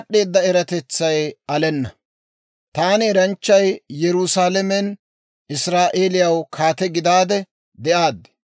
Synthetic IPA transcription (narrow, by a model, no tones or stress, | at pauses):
ɗːe̞ːd̪ːɐɛɾɐt̪ɛt͡sːɐjɐlɛnːɐ | t̪aːnɪɛɾɐnt͡ʃːɐjjɛɾʊsaːlɛmɛn | ɪsɾaːʔeːlɪjɐwkʰaːt̪ɛɡɪd̪aːd̪ɛ | d̪ɛʔaːd̪ɛ̥